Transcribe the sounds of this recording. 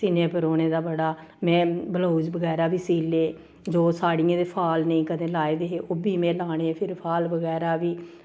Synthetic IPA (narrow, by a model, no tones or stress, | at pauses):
sɪnẽːpəɾoːɽ̃eːd̪aːbəɽaː | mɛ̃ːbəlaːud͡ʒbəɡɛːɾaːʋiːsiːleː | d͡ʒoːsaːɽijãːd̪eːpʰaːlnəĩːkəd̪ẽːlaːeːd̪eːɦeːʔoːbiːmɛ̃ːlaːɽ̃eːpʰɪɾpʰaːlbəɡɛːɾaːʋiː